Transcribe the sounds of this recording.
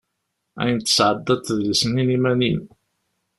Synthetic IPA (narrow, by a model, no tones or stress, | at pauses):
æ̰jənt̪ːə̥sʕəd̪ːɑt̪ːðlisəninimænin